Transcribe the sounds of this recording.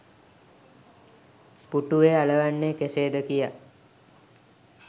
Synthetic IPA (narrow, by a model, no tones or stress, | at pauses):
puʈuʋealəʋanːekeseːd̪əkija